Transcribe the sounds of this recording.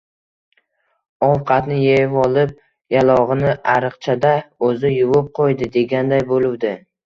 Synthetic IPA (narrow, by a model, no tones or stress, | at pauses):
ɒwqʰɑt̪nɪjejvɒlˠɪp̚ | jalˠɒʁɨnɪʔaɾɨqt͡ʃʰad̪aɵzɪjʊwʊp̚qʰojd̪ɪd̪e̞ɡʲand̪ajbolˠɪwd̪ɪ